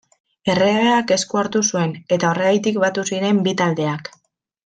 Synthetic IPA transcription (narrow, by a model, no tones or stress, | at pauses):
e̞reaeake̞skuaɾt̪usue̞ne̞t̪ao̞reɣajt̪ikβat̪usiɾe̞mbit̪ald̪e̞ak